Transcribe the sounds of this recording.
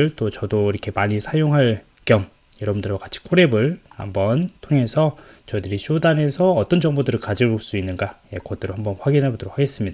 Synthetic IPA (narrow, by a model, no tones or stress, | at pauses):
ɯɭt͈ot͡ɕʌdoiɾʌkʰe̞maɲisʰajoŋɦaɭ | k͈jʌm | jʌɾʌbundɯɭɡwakat͡ɕʰi̥kʰoɾe̞bɯɭha̰mbʌntʰoŋe̞sʰʌ | t͡ɕʌidɯɾiɕʰodane̞sʰʌʌt͈ʌnd͡ʑʌŋbodɯɾɯɭkad͡ʑioɭs͈uinːɯnɡajekʌt͈ɯɾohambʌnɸwaɡinɦaɭbodoɾokʰːaɡe̞s͈ɯmɲida